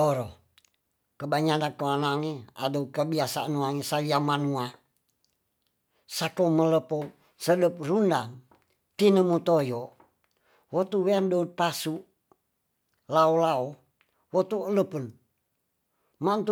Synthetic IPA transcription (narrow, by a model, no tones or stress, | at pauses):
oɾo | kəbaɲanakəanaŋea̰doukəbiasaanuaŋesaliamanua | sakomələpo | sədəp̚rundaŋ | t̪inəmut̪ojo | wot̪uweandout̪̚pasuʔ | laolao | wot̪uələpən | mant̪u